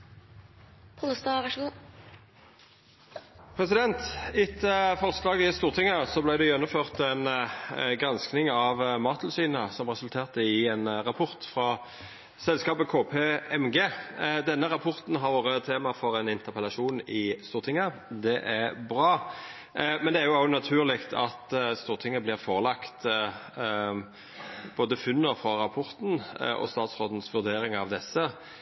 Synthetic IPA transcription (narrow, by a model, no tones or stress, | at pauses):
pʰʊləst̪ɑʁɑʃ | pʰʁɛsɪd̪ɛnt̪ɪt̪əfɔʁslɑːɡəɪst̪uːʁt̪ʰɪŋəsɔblæɪd̪ɛjɛnːʊmføːʁt̪ɛnɡʁɑnsknɪŋɑʋmɑːt̪ʰl̩syːnəsɔmʁɛsʉlt̪ʰeːʁt̪əɪɛːnʁɑpʰʊʁt̪fʁɑ | sɛlskɑːpəkʰoːpʰeːɛmɡeːd̪ɛnːəʁɑpʰɔʁt̪n̩ɦɑʁʋoʁət̪ʰeːmɑfɔɾɛɪnɪnt̪əʁpʰɛlɑʂuːnɪst̪uːʁt̪ʰɪŋːəd̪ɛʔæʁbʁɑː | mɛnd̪ɛæʁjʊɑnɑt̪ʰʉːʁlɪkt̪ʰɑt̪st̪uːʁt̪ʰɪŋːəblɪʁfoːʁəlɑkt̪ | b̥oːd̪əfʉnːəfʁɔʁɑpʰɔʁt̪n̩ʔɔ̰st̪ɑːt̪sʁoːd̪n̩sʋʉʁd̪eːɾɪŋɑʋd̪ɛsːə